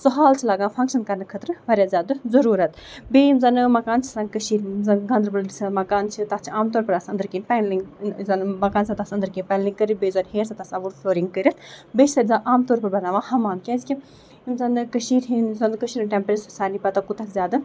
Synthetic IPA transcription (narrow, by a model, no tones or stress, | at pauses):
sɔɦaːlt͡ʃʰilaːɡãːfʰɐŋkʃɐnkɐɾnɐkʰɐt̪ɾʋɐɾjaːzʲaːd̪ɨzɐɾuːɾɐt̪beːimzɐnɨmɐkaːnt͡ʃʰi̥sɐ̃nkəʃiːɾzɐɡɐ̃nd̪ɾbɐld̪isɐmɐkaːnt͡ʃʰit̪ɐt͡ʃʰiaːmt̪oːɾpɐɾɐsɐnd̪ɨɾkiːnpɛnliŋɡzɐnmɐkaːnsãt̪ɐsɐ̃nd̪ɨɾkĩːnpɛnliŋkəɾibeːzɐnɦeːɾsãt̪ɐsaʋuɾfʰloːɾiŋɡkəɾʲɐt̪beːt͡ʃʰsɐɾʲzãʔaːmt̪oːɾpɐɾbɐnaːʋãːhɐmaːnkʲɛːzikʲi | imzɐnɨkəʃiːɾɦinzɐnd̪kəʃiːɾʈɛmpɾessaːnipɐt̪ɐkut̪ɐkzʲaːd̪ɨ